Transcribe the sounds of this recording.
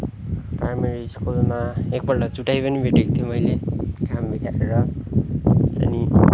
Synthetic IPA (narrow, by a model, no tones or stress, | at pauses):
prajmeɾiskulmaek̚bʌrʈʌt͡suʈajpʌnibʱeʈik̚t̪ʰijomʌjlekambʱitaeɾʌ | ʌ̰ni